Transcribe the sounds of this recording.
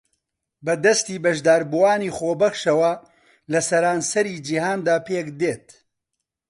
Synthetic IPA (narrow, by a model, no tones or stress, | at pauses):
bɐd̪ɐst̪iːbɐʒd̪aːɾbuwaːniːχoːbɐxʃɐwɐ | lɐsɐɾaːnsɐɾiːd͡ʒiɦaːnd̪aːpeːkd̪eːt̪̚